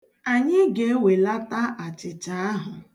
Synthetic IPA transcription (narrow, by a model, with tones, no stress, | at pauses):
a˨ɲɪ˦ɡe˦e˦we˨la˦ta˦ʔa˨t͡ʃɪ˨t͡ʃa˨˦a˦ɦʊ˨